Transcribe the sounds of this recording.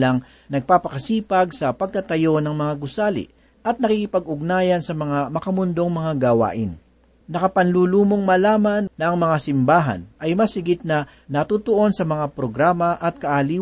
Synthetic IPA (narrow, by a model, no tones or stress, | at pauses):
lɐŋ | nɐɡ̚paːpɐkɐsiːpɐɡ̚sɐpɐɡ̚kɐt̪ɐjo̞nɐŋmɐŋaɡʊsaːlɪ̰ʔ | ʔɐt̪̚nɐkikɪpɐɡʊɡ̚naːjɐnsɐmɐŋamɐkɐmʊnd̪o̞ŋmɐŋaɡɐwa̰ːʔɪn | nɐkɐpɐnluːluːmoŋmɐlaːmɐnːɐɐŋmɐŋasɪmbaːɦɐ̰nʔɐjmɐsɪɡɪt̪̚nɐ | nɐt̪uːt̪oʔo̞nsɐmɐŋapɾoɡɾaːmɐʔɐt̪̚kɐʔaliː